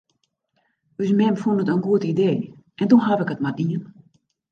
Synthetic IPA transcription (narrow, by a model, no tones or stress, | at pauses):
ysmɛmfundətənɡuətideːʔɛntuxɦavɪkətmariən